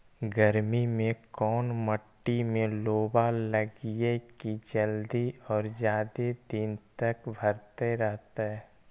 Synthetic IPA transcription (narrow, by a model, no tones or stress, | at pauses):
ɡəɾmimẽkɔːnməʈːimẽloːbaləɡiekid͡ʒəld̪iɔːɾd͡ʒjaːd̪ed̪ɪnt̪əkbʱəɾt̪eɾɛɦt̪eɦɛː